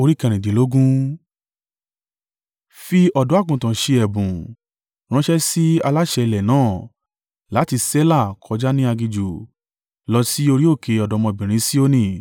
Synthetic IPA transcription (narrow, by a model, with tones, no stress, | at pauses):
o˧ɾi˦kɛ̃˧ɾ̃ĩ˨de˨lo˦ɡũ˦ | fi˧ɔ˨dɔ̃˨˦a˦˨kũ˨tã˨ʃe˧ɛ˨bũ˨ | ɾ̃ã˦ʃɛ˦si˦a˧la˦ʃɛ˧lɛ˨nãː˦˨ | la˨˦ti˧sɛ˦la˦˨kʰɔ˨˧d͡ʒa˦nĩ˦a˧ɡi˧d͡ʒu˨ | lɔ˦si˦o˧ɾi˦o˦˨kʰe˨˧ɔ˨dɔ˨˧˦mɔ̃˧˨bĩ˨ɾ̃ĩ˨˦si˦o˦nĩ˦˨